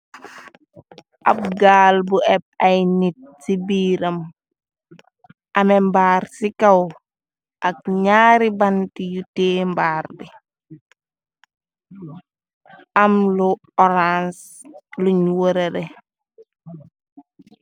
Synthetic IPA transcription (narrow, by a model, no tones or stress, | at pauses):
ʔab̚ɡaːlbuɛb̚ɐjnit̚sibiːɾɐm | ʔɐmembaːɾsikaw | ʔak̚ɲaːɾibantijuteːmbaːɾbi | ʔamlu | ɔɾans | luɲwoɾeɾe